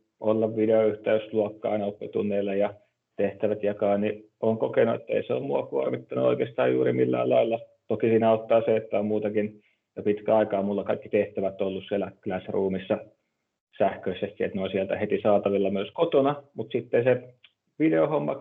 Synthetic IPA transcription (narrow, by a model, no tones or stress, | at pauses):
ʔolːɑʋʋideoyht̪eysluɑkːɑɑ̰inɑopːet̪ṵnːˑeːlːɑjɑ | t̪eht̪æʋæt̪jɑkɑːnniʔoːŋkokenuḛt̪ːæḛiseo̰ːmmuɑkuormit̪ːɑnṵo̰ikeːst̪ɑ̰ːjjṵːrimilːæ̰ːlɑilːɑt̪okisiːnæot̪ːɑːseet̪ːæommuːt̪ɑkin | jopit̪kæɑikɑːmulːɑkɑikːit̪eht̪æʋæt̪olːussielːˑæklæsruːmisːɑ | sæhkøisːæst̪iḛt̪noˑisiælt̪æhet̪isɑːt̪ɑʋilːɑmyøskot̪onɑmut̪sit̪ːense | ʋideohomːɑ̰